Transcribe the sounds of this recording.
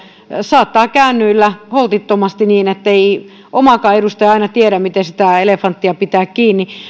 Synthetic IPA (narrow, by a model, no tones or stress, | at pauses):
sɑːt̪ːɑːkæynːyilːæholt̪it̪ːomɑst̪iniːnet̪ːei | ʔomɑkɑːedust̪ɑjɑɑinɑt̪ieɾæmmit̪esit̪æelefɑnt̪ːiɑpit̪æːkkiːnːi